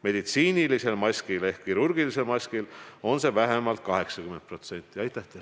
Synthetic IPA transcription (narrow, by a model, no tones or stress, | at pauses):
me̞d̪̥it̪siːnilise̞lmɑsʲkile̞hkkːiɾurɡilise̞lmɑsʲkilo̞nse̞væɦe̞mɑlt̪̚kɑɦe̞ksɑkyme̞n̚pro̞t̪se̞nʲt̪ːˑiɑjt̪ːˑɑt̪ːˑe